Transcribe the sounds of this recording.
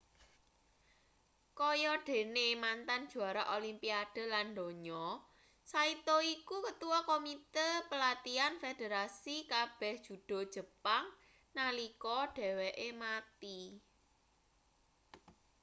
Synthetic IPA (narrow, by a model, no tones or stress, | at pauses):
kɔjɔɖ̥e̤nemant̪and̥ʒ̥ṳaɾaʔolimpiad̥ə̤land̪o̤ɲɔ | sait̪oikukət̪uwɔkomit̪epəlat̪ianfed̥eɾasikab̥ɛ̤hd̥ʒ̥ṳd̥ɔ̤̥ʒ̥ə̤paŋ | nalikɔɖ̥ɛ̤weʔemat̪i